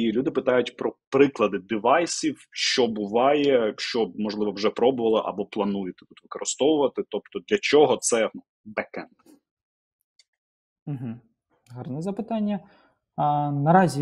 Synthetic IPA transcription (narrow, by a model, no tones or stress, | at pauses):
ilʲud̪ɪpɪt̪ɑjʊtʲpɾɔpɾɪklˠɐd̪ɪd̪ɪʋɑjsʲiwʃt͡ʃɔbʊʋɑjɛʃt͡ʃɔmɔʒlˠɪʋɔwʒɛpɾɔbʊʋɐlˠɪʔɐ̰bɔplˠɐnujɪt̪ɪ̥t̪ut̪ʋɪkɔɾɪst̪ɔʋʊʋɐt̪ɪt̪ɔp̚t̪ɔd̪lʲɐt͡ʃɔɦɔt̪sɛnu | bɛkɛn | m̩ɦ̩ | ɦɑrnɛzɐpɪt̪ɑnʲːɐ | nɐɾɑzʲi